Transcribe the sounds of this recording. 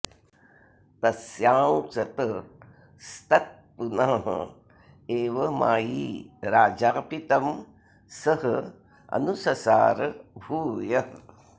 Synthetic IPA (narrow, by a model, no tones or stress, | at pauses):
t̪ɐsjaːwsɐt̪ə | st̪ɐt̪̚punaːɦɐ̰ | eːʋɐma̰ːjiːɾaːd͡ʒaːpit̪ɐm | sɐɦɐ | ɐ̰nusɐsa̰ːɾbʱuːjɐ